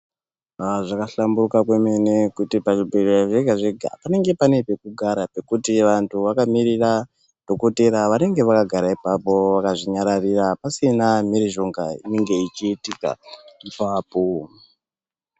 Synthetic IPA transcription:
ʐakaɬamburukakwe̞me̞ne̞kutipaʐibʱe̞reaʐeɡʱaʐeɡʱa̰pane̞ŋɡe̞pane̞pe̞kuɡʱaɾape̞kutiʋantʰuʋakamiɾira | d̥ʱo̞ko̞te̞ɾaʋane̞ŋɡe̞ʋakaɡʱaɾaipapo̞ʋakaʐiɲaɾarirapasinamiɾiʒo̞ŋɡaḭneŋɡe̞it͡ʃiːtika̰ipaːpo̞

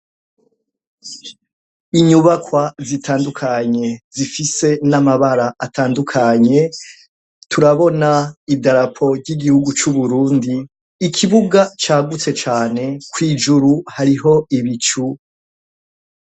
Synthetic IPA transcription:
iɲuβakwazitʰaːndukʰaɲe̞zifise̞namaβaɾaʔːtʰaːndukʰaɲe̞ | tʰuɾaβo̞naibdaɾapʰo̞bɟiɡihuɡut͡ʃuβuɾuːndiː | kʰiβuɡat͡ʃaːɡut͡se̞t͡ʃaːne̞kwiːd͡ʒuɾuhaɾiɦo̞iβit͡ʃu

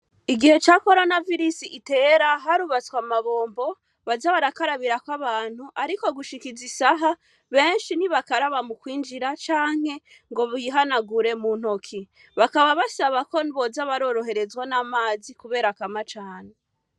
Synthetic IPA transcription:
iɡihe̞t͡ʃako̞ɾo̞naviɾisiʔite̞ːɾaɦaɾuβat͡swamaβo̞ːmbo̞ | βazaβaɾakaɾaβiɾakwaβaːn̥huʔaɾiko̞ɡuʃikizisaɦa | βe̞ːnʃiniβakaɾaβamukwiːnd͡ʒiɾat͡ʃaːŋ̥he̞ | ŋɡo̞βujiɦanaɡuɾe̞mun̥ho̞kʰi | βakaβaβasaβako̞niβo̞zaβaɾo̞ɾo̞ɦe̞ɾe̞zɡwanamaːzikuβe̞ːɾakamat͡ʃaːne

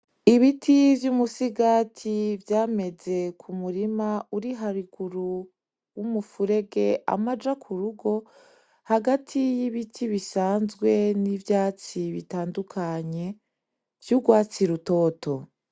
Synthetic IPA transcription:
iβitʰivjumusiɡaːtʰivjaːme̞ze̞kʰumuɾimauɾiɦaɾiɡ̥uɾu | wumufuɾe̞ɡe̞a̰mad͡ʒakʰuɾuɡo̞ | haɡatʰijiβitʰiβisaːnzɡwe̞nivjaːt͡siβitaːndukʰaɲe̞ | v̥juɡwaːt͡siɾuto̞ːto̞

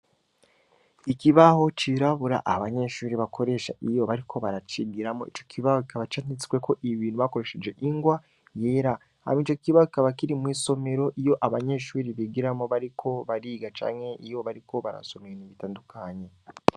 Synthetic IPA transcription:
ikiβaɦo̞t͡ʃiɾaβuɾa̰ʔaβaɲe̞ʃuːɾiβakʰo̞ɾe̞ʃa̰ʔijo̞βaɾikʰo̞βaɾat͡ʃiɡiɾamo̰ḭt͡ʃo̞̥kʰiβahoki̥kaβat͡ʃanit͡si̥kwe̞ko̞ʔiβiːn̥uβako̞ɾeʃe̞d͡ʒe̞ʔiŋɡwa | je̞ɾa | ha̰miːt͡ʃokiβahoki̥kaβakiɾimwiːso̞me̞ɾo̞ʔijo̞ʔaβaɲe̞ʃuːɾiβiɡiɾamoβaɾikʰo̞βaɾiːɡat͡ʃa̰ːŋhe̞ijoβaɾiko̞βaɾa̰so̞meeniβitaːndukʰaɲe̞

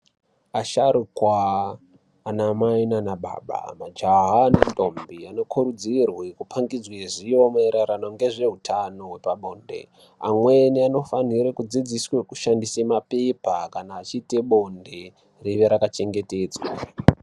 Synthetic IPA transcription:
aʃaɾukwaː | namainanaɓa̰ːɓa̰mad͡ʒaɦanatʼo̞mbiano̞kʰuɾud͡zirwekupʰaŋɡid͡zweʐijomaeɾaɾanoŋɡe̞ʐe̞ɦutʰano̞we̞paɓo̞ːnde̞̰ | amweniano̞faniɾekud͡zid͡ziswekuʃandisemapepakanaːt͡ʃiːte̞ɓo̞nde | riʋeɾakat͡ʃe̞ŋɡe̞te̞ːd͡zw̰a

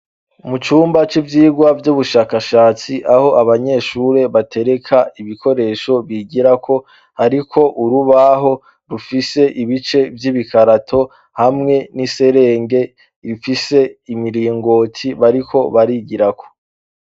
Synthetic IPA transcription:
mut͡ʃuːmbat͡ʃivjiːɡwavjuβuʃaːkaʃaːt͡siʔaho̞ʔaβaɲe̞ʃuɾe̞βatʰe̞ɾe̞kʰaiβikʰo̞ɾe̞ːʃo̞βiɡiɾakʰo̞ | haɾikʰo̞ʔuɾuβaɦo̞ | ɾufise̞ʔiβit͡ʃe̞vjiːβikʰaɾatʰo̞ | hamŋe̞nise̞ɾe̞ːŋɡe̞ | ɾifise̞imiɾiːŋɡo̞ːtʰiβaɾikʰo̞βaɾiɟiɾakʰo̥

